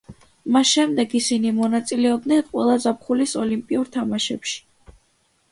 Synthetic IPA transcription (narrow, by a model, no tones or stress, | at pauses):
masʃɛmd̪ɛɡisinimɔnat̪sʼilɛɔb̚d̪nɛnqʼwɛlˠazap̚χulisɔlimpʼiuɾt̪ʰamaʃɛ̰pʃi̥